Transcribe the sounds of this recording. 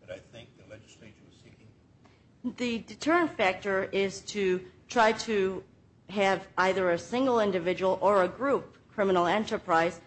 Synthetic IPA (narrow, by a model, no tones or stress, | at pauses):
aɪθɪ̃ŋk̚ɛet͡ʃ | ðɨdɨtʰɜ˞ɨ̃ntfæk̚tə˞ɪz̥tʰɨtʰɹ̥aɪɾɨ | ɨvaɪðə˞ɨsɪ̃ŋɡl̩ˠɪ̃ndɨvɪd͡ʒəwl̩ˠə˞ɨɡɹup̚kʰɹ̥ɪ̃mənl̩ˠɛ̃ntə˞pʰɹ̥aɪz̥